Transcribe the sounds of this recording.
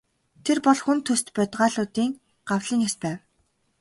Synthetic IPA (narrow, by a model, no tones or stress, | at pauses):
t̪ʰerpɔɮxunt̪ʰːɵst̪pʲɔt̪ʁaːɮʊːt̪iːŋ | ɢ̥awɮiːŋjaspæːw